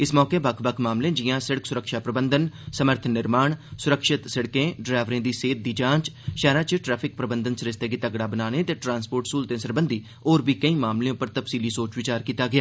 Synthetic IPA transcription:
ɪsmɔːkeːbəkʰbəkʰmaːmlẽːd͡ʒɪjãːsɪɽəksʊɾəkʃaːpɾəbənd̪ənsəməɾt̪ʰnɪɾmaːɳsʊɾəkʃɪt̪səɽkẽːɖɾaːʋɾẽːd̪iːseːt̪̚d̪iːd͡ʒãːt͡ʃʃɛːɾãːt͡ʃʈɾɛːpʰɪk̚pɾəbənd̪ənsɾɪst̪eːɡiːt̪əɡɽaːbənaːneːt̪eːʈɾãːnspoːɾʈsuːlt̪ẽːsəɾbənd̪iː | oːɾbiːkəĩːmaːmleõːpəɾt̪əpsiːliːsoːt͡ʃʋɪt͡ʃaːɾkiːt̪aːɡɪjaː

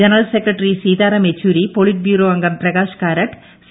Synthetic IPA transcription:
ɐnɾɐlsekɾɐʈːɾisiːðaːɾɐmet͡ʃːuːɾipoɭiʈ̚bjuːɾoːɐŋɡɐmpɾɐɡaːʂɐ̥kaːɾɐʈ | s

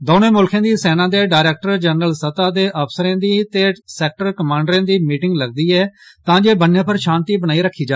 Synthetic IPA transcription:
d̪oːnẽːmʊlkʰãːd̪iːsɛːnãːd̪eːɖaːɾeːk̚ʈəɾd͡ʒənɾəlsət̪aːd̪eːʔəpʰsəɾẽːd̪iːt̪eːsɛːk̚ʈəɾkəmãːɳɖɾãːd̪iːmiːʈɪŋɡləɡd̪iːɛːt̪ãːd͡ʒeːbənjãːpʰəɾʃaːnt̪iːbənaːiːɾəkʰːiːd͡ʒaː

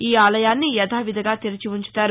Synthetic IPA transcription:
iːaːlɐjaːnːijɛd̪ʱaːʋid̪ʱɐɡaːt̪iɾɐt͡ʃiʋuɲt͡ʃu̥t̪aːɾu

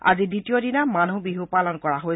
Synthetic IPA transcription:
a̰ziditijodinamanubiɦupalɔnkɔɹaɦo

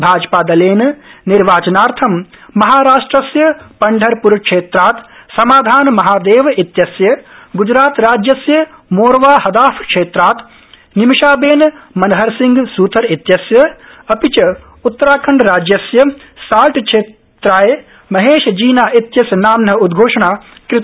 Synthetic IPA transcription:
bʱaːd͡ʒpaːd̪ɐleːnniɾʋaːt͡ʃɐnaːɾt̪ʰɐmmɐɦaːɾaːʂʈɾɐsjɐpɐɳɖʱɐɾpuɾkʂeːt̪ɾaːt̪sɐmaːd̪ʱaːnmɐɦaːd̪eːʋit̪jɐsjɐɡud͡ʒɾaːt̪ɾaːd͡ʒjɐsjɐmoːɾʋaːhɐd̪aːfʰkʃeːt̪ɾaːt̪ | nimʃaːbeːnmɐnɐɦɐɾsiŋɡsuːt̪ʰɐɾit̪jɐsjɐ | ɐpit͡ʃɐ | ut̪ːɐɾaːkʰɐɳɖɾaːd͡ʒjɐsjɐ | saːlʈkʂeː | t̪ɾaːj | mɐɦeːʃd͡ʒiːnaːʔit̪jɐsjɐnaːmːɐud̪ɡʱoːʂɐɳaːkɾɪt̪

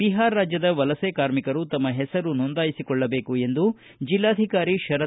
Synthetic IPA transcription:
biɦaːɾːaːd͡ʒjɐd̪ɐʋɐlɐsekaːɾmikɐɾut̪ɐmːɐɦɛsɐɾunond̪aːjisikɔɭːɐbe̞ːkue̞nd̪u | d͡ʒilːaːd̪ʱikaːɾiʃɐɾɐ

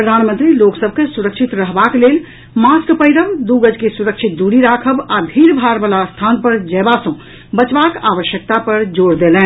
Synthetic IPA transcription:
pɾəd̪ʱanmə̃nt̪ɾiloksəbʱkesuɾəkt͡ʃʰit̪ɾəɦbaklel | maskpəjɾəbd̪uɡəd͡ʒkesuɾəkt͡ʃʰit̪̚d̪uɽiɾakʰəbab̪ʱiɾbʱaɾbalast̪ʰanpəɾd͡ʒɛbasə̃ | bət͡ʃbakaʋəʃjək̚t̪apəɾd͡ʒoɾd̪elɛ̃n

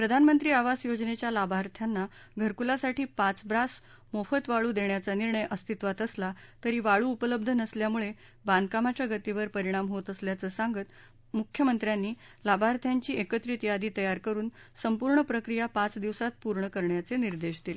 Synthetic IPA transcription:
pɾəd̪ʱanmənt̪ɾiːaʋasjod͡ʑnet͡ɕjalabʱaɾt̪ʰjanːa | ɡʱəɾkulasaʈʰiːpat͡sbɾas | mofət̪ʋaɭuːd̪eɳjat͡saniɾɳəjʔəst̪ʰit̪ʋat̪əslat̪əɾiːʋaɭuːpələbd̪ʱənəsljamuɭe | band̪̚kamat͡ɕjaɡət̪iʋəɾpəɾiɽ̃amɦot̪əsljat͡səːsaŋɡət̪ | mukʰjəmənt̪ɾjanːiːlabʱaɾt̪ʰjaɲt͡ɕiːekət̪ɾit̪jad̪iːt̪əjaɾkəɾuːnsəmpuɾɳəpɾəkɾijapat͡sd̪iʋsat̪̚puɾɳəkəɾɳjat͡seniɾd̪eɕd̪ile

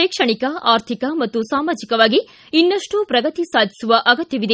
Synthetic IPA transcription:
eːkʂɐɳikɐaːɾt̪ʰikɐmɐt̪ːusaːmaːd͡ʒikɐʋaːɡi | inːɐʂʈupɾɐɡɐt̪isaːd̪ʱi̥suʋɐʔɐɡɐt̪jɐʋid̪e

